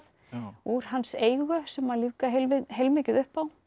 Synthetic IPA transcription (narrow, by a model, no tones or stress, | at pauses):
θ | uɾ̥hanːseːjɣʏsɛmːalikaɦelvɪɦejlmɪːcɪðʏhpaw